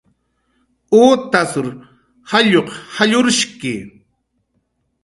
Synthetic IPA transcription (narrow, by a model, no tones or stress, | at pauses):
oːt̪asʊɾ | haʎoqhaʎʊɾʃkɪ